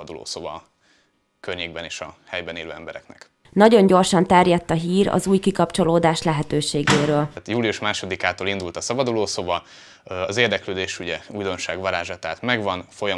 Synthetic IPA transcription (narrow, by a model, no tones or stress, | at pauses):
d̪ulo̰ːsoːvɒ | kørɲeːɡ̚bɛneːʃɒhɛjbɛneːløːɛmbɛɾɛknɛ̰k | nɒɟo̞ɲɟo̞rʃɒnt̪ɛrjɛt̪ːɒɦiːɾɒ̰zuːjkikɒpt͡ʃo̞loːd̪aːʃlɛɦɛt̪øːʃeːɡeːɾøːlt̪juːliuʃmaːʃo̞d̪ikaːt̪oːlind̪ult̪ɒsɒbɒd̪uloːsovɒ | ɒzeːrd̪ɛkløːd̪eːʃuɟɛuːjd̪o̞nʃaːɡʋɒɾaːʒat̪ɛɦaːt̪mɛɡvɒnfo̞jɒ